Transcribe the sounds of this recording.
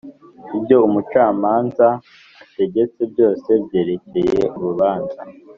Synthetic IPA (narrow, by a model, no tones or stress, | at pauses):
ibɟo̞umut͡ʃaːmaːnza | ate̞ɟe̞t͡se̞bjo̞ːse̞bje̞ːɾe̞ce̞je̞̰ʔuɾuβaːnza